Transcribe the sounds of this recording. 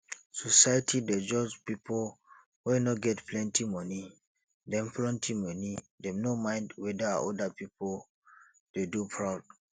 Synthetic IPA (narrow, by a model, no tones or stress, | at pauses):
sɔsajtʰided͡ʒɔd͡ʒpipol | wɛnɔɡɛtplɛ̃ntimɔni | dɛ̃mpʰlɛ̃ntʰimɔnidɛ̃mnomãɪ̃ndwɛdaa̰ʔɔdapipol | d̥edupʰɹaʊd̥̚